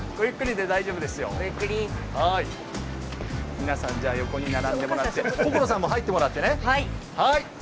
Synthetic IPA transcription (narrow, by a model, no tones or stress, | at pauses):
ɡ̥oikːɯ̟ɾʲid̪e̞d̪aiʑo̞ːbɯd̪e̞sɨjo̞̰kːɾʲihai | mʲinasãɲ̟d͡ʑaːjo̞ko̞ɲ̟inaɾãnd̪e̞mo̞ɾat̪ːe̞bokɯɾo̞s̬ãmːo̞ɦait̪ːe̞mo̞ɾat̪ːe̞nehaihai